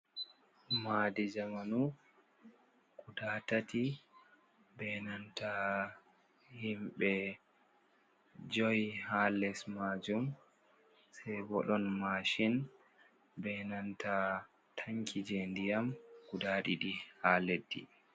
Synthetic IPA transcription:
maːdɛd͡ʒamanu | kudaːtatʰi | bɛnanta | himɓɛ | d͡ʒɔjhalɛsmaːd͡ʒum | sɛjbɔɗɔnmaʃin | bɛnanta | tʰaŋkʰid͡ʒɛndijamkudaːɗiɗihaːledːḭ

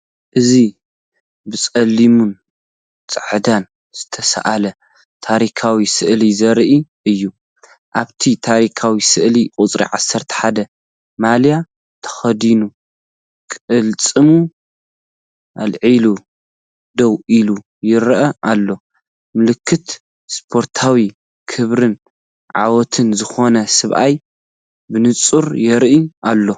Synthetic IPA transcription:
ʔɨzi | bɨt͡sʼɐlːimun | t͡sʼɨʕd̪an | z̥ɨt̪ʰɐsa̰ʔalɐ | t̪ʰaɾikʰawisɨʔlizɐɾʔiʔɨjːu | ʔaβt̪ʰit̪ʰaɾikʰawisɨʔlikʼʊt͡sʼɾḭʕasːɐɾt̪ʰɐ̥ħad̪ɐ | malja | t̪ʰɐ̥xɐd̪inu | kʼɨlt͡sʼɨmu | ʔalʕilu | d̪owʔilu | jɪɾʔɐʔalːo̞ | mɨlɨkʰːɨt̪ | spʰo̞ɾt̪ʰawi | kʰɨβɾɨn | ʕa̰wɔt̪ʰɨnzɨxo̞nɐsɨβʔa̰j | bɨnɨt͡sʼuɾjɛɾʔiʔalːo̞

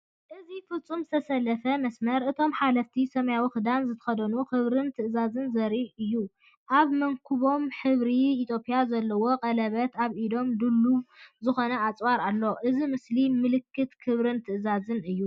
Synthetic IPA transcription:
ʔɨzifɨt͡sʼːumzɨt̪ʰɐsɐlːɐfɐmɐsmɐɾʔɨt̪ʰo̞mħalɐft̪ʰisɐmɐjawixɨd̪anzɨt̪ʰɐ̥xɐd̪ɐnukɨβɾɨnt̪ʰɨʔɨzazɨnzɐɾiʔɨjːu | ʔaβmɐŋkʰuβo̞mħɨβɾiːt̪ʰjo̞pʼjazɐlːɐwo̞qʼɐlɐβɐt̪aβʔid̪o̞md̪ɨlːuβzɨxo̞nɐat͡sʼwaɾalːo̞ʔɨzimɨslimɨlɨkːɨt̪kʰɨβɾɨnt̪ʰɨʔɨzazɨnɨjːu

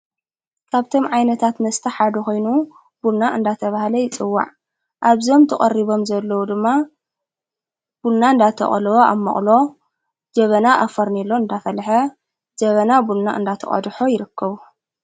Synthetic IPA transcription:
kʰaβt̪ʰo̞mʕajnɐt̪ʰat̪mɐst̪ʰɐħad̪ɐxo̞jnu | bulnaʔɨnd̪at̪ʰɐβahalɐjɪt͡sʼɨwːa̰ʕ | ʔaβzo̞mt̪ʰɐkʼɐriβo̞mzɐlːɐwud̪ɨmːa | b̥ulnaɨnd̪at̪ʰɐ̰χʼɐlwoʔa̰mːɐ̰χʼlo̞ | d͡ʒɐβɐnaʔafɐɾnilːo̞ɨnd̪afɐlħɐ | d͡ʒɐβɐnabulnaɨ̰nd̪at̪ʰɐ̰χʼɐ̰d̪ħo̞jɪɾɨkːɐβu

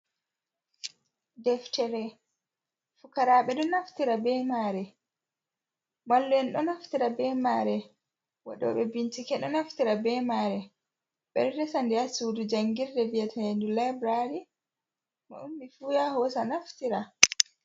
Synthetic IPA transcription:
dɛftɛɾɛ | fukaɾaɓɛɗɔnaftiɾabɛmaɾɛ | malːuɛnɗɔnaftiɾabɛmaːɾɛ | wa̰ɗɔ̰ɓɛbintikɛɗɔnaftiɾabɛmaɾɛ | ɓɛ̰ɾdɛsandiasudud͡ʒaŋɡiɾdɛviatʰaendulabɾaɾi | ma̰ʔumbifujahɔsanaftiɾa

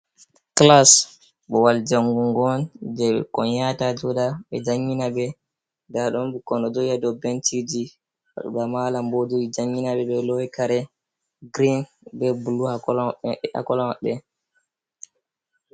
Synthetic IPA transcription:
klas | ɓɔwald͡ʒaŋɡuŋɡɔnd͡ʒɛɓɛ̰kɔnjatad͡ʒɔdaɓɛ̰d͡ʒaŋːinabɛ | daɗɔnbukɔnɔd͡ʒɔjadɔbɛntid͡ʒi | wa̰ɗṵɓamalambod͡ʒojid͡ʒaŋːinaɓɛɓɛlɔjkaɾɛ | ɡɾin | bɛbuluhakɔla̰kɔlɔmaɓɛ

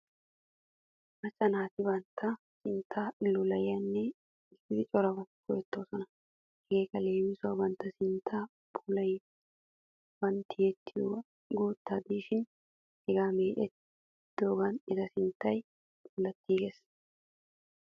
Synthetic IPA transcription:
mɐt͡ʃʼːɐnaːt̪ɪbɐnt̪ʰːɐ | sɪnt̪ʰːaːɪlːʊlɐjɐnːɛ | ɪsɪd̪ɪt͡ʃʼɔɾɐbɐkɔjɛt̪ːoːsɔnɐ | ɛɡeːkɐle̞ːmɪsʊɐbɐnt̪ːɐsɪnt̪ʰːa | bʊlɐj | bɐnt̪ːɪjɛt̪ːɪju | ɡuːt̪ːad̪iːʃɪn | hɛɡaːmeːʔɛt | d̪̥oːɡɐnɪzɐsɪnt̪ːɐj | buːlɐt̪ːiːɡes

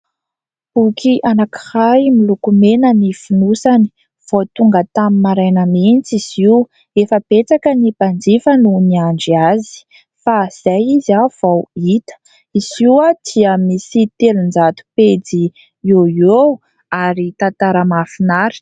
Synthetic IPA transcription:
pukʰiʔanaki̥hajmilukumenənifinusani̥ | v̥ot̪uŋɡət̪amimaɾajnəment͡siz̥iw | efəb̥et͡sakənib̥and͡zifənuniaɳɖ͡ʐiazi̥ | faz̥ajiziav̥awit̪ə̥ | iziwad̪̥iəmisit̪elund͡zat̪u̥ped͡zi | oiow | aɾit̪ant̪aɾəmafinaɾi̥

